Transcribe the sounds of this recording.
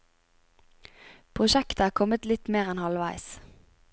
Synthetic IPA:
pʰʁʊʃɛkt̪əæːkʰɔmət̪lɪt̪meːʁɛnhɑlʋæɪs

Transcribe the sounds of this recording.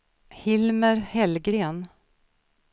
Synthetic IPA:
hɪlməɾhɛlɡɾeːn

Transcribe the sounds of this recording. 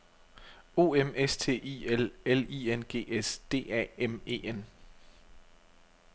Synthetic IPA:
o̝ːemest͡sʰe̝̰ːʔḭelelienɡ̥e̝̰ːesd̥e̝̰ːɛ̰ːeme̝̰ːen

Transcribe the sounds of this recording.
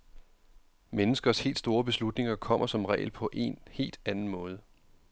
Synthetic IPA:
menəsɡ̥ɐshe̝̰ːld̥sd̥o̝ːɐb̥e̝slud̥ne̝ŋɐkʰɒ̽m̰ɐsɒ̽mʁɛ̰ːlpʰɒ̽ʔe̝̰nhe̝̰ːld̥ænn̩mɔ̽ːð̞ˠə

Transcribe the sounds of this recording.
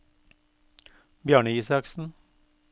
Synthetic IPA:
bjɑːɳəiːsɑksn̩

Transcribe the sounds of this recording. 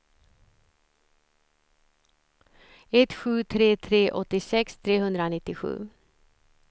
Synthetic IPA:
ɛt̪ɧʉːt̪ʰɾeːt̪ʰɾeːʔɔt̪ɪsɛkst̪ʰɾeːhʉnd̪ɾəoːnɪt̪ɪɧʉ̰ː

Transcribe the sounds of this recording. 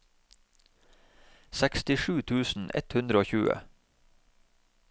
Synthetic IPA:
sɛkst̪ɪʃʉːt̪ʰʉːsn̩ɛ̰t̪hʉnd̪ɾəoːçʉːə̰

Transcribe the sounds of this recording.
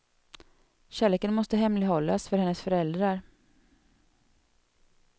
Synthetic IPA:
ɕæːɭeːkənmɔst̪əɦɛmlɪɡɦɔlːasfœɾhɛnːəsfœɾɛld̪ɾaɾ

